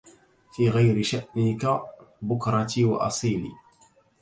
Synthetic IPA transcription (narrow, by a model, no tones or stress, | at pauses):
fiːɣajɾɪʃaʔnɪkabʊkɾˤɑt̪iːwa̰ʔɑ̰sˤiːlḭː